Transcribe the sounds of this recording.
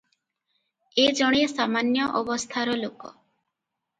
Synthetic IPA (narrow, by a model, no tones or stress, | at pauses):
ed͡ʒɔɽ̃esamanjɔʔɔbɔst̪ʰaɾɔlokɔ